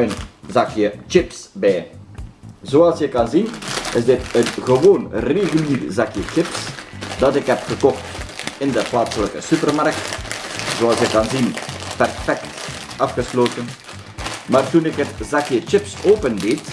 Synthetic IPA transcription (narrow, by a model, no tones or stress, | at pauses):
œnzɑkjət͡ʃɪpsbɛj | zoːɑlˠsjəkɑnzinɪzdɪtənɣəʋoːnreɣyliːrzɑkjət͡ʃɪpsdɑtɪkɦɛpxəkɔxtɪndəplaːtsələkəsypərmark̚tzoːɑlˠsjəkɑnzinpɛrfɛk̚t | ɑfxəsloːtən | maːrtunɪkɦətzɑkjət͡ʃɪpsoːpəndɪt